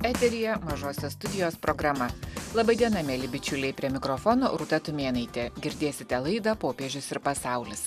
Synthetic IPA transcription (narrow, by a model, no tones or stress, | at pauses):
æːt̪ʲɛɾʲɪjɛmɐʒoːsʲɛst̪ʊd̪ʲɪjoːspɾʔoɡɾɐmɐlˠɐbɐɪd̪ʲiɛnɐmʲɛːlʲɪbʲɪt͡ʃʲʊlʲɛɪpʲɾʲiɛmʲɪkɾɔfɔno̰ːɾuːt̪ɐt̪ʊmʲeːnɐɪt̪ʲeɡʲɪɾʲd̪ʲeːsʲɪt̪ʲɛlˠɐɪd̪ɐpoːpʲeːʒʲʊsɪɾpɐsɑˑʊlʲɪs